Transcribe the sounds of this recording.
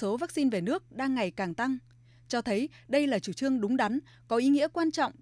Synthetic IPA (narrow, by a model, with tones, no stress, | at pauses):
so˨˦vaː˦˥k̚si˧nve˨˩nɨ˦˥ək̚ɗaː˧ŋːa˨˩jkaː˨˩ŋt̪a˧ŋ | t͡ɕɔ˧t̪ʰə˨˦j | ɗə˧jlaː˨˩t͡ɕu˧˩t͡ɕɨ˧əŋɗʊ˨˦ŋ͡mɗa˨˦n | kɔ˨˦ʔi˨˦ŋḭ˧˥əkwaː˧nt͡ɕɔ̰˧˨wŋ͡m